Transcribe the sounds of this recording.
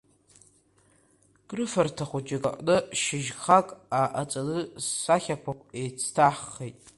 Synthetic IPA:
ɡ̥ʼrɨfartʰaχʷut͡ʃʼakʼa̰ʔʼnɨʃɪʒχakʼaʔat͡sʼalɨssaχʲakʷʰakʷʰʼejt͡sʰtʰaħːejtʼ

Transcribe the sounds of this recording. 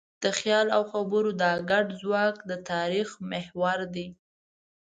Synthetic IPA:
d̪̥əxjɑlawxabəɾod̪ɑɡaɖzwɑkd̪ət̪ɑɾixmɪhwaɾd̪i

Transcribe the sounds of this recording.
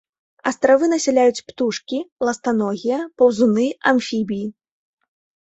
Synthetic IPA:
ɐst̪ɾavɨnɐsʲɛlʲajut͡sʲpt̪uʂkʲilˠɐst̪anɔɣʲijɐpɐwzunɨɐmfʲibʲiji

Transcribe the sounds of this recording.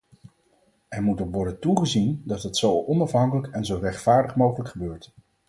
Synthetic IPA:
ɛɹmutokʋɔɹdəntuχəzindɑtɦətsowɔnɑfɦɑŋkələkɛnzowrɛχtfaːɹdəχmowχələkχəbøːɹt

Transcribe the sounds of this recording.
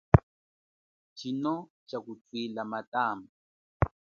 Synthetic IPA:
t͡ʃinɔ | t͡ʃakut͡swilamataːmba

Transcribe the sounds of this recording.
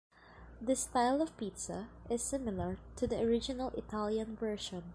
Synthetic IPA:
d̪ɐst̪aɪlˠɔv̥pit̪saʔɪsːɪmɪlɐɹt̪ʰud̪iɔɹɪd͡ʒɪnalʔɪt̪ʰalˠjãnvɛɹʃɔ̃n

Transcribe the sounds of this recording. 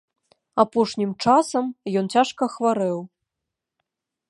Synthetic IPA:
apɔʂnʲimt͡ʂasɐmjɔnt͡sʲaʂkɐxvaɾɛw

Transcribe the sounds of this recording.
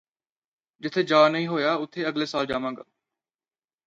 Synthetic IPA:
d͡ʑɪt̪ʰed͡ʒaːnəɦĩːɦoːjaːʊt̪ʰeɐɡleːsaːld͡ʒaːmãːŋɡa̰ː

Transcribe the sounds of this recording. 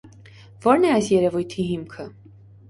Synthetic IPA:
vɔɾnɛɑjsjɛɾɛvujt̪ʰiɦimkʰə

